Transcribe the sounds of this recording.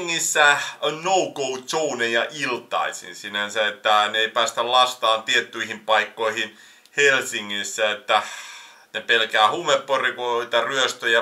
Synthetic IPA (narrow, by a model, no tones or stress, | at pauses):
ŋːisːæonoukousounejjɑʔilt̪ɑ̰isḭnsinænsæet̪ːæneeipæːst̪ællɑst̪ɑːnt̪iet̪ːyihimpɑikːoihin | helsiŋːisːæet̪ːæ | nepelkæːhumːepːorikoit̪æryøst̪øjæ